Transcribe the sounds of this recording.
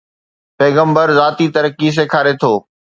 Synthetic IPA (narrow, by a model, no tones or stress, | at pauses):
peːɡə̃mbəɾzaːt̪it̪ɐɾəkis̬eːkʰaːɾet̪ʰoː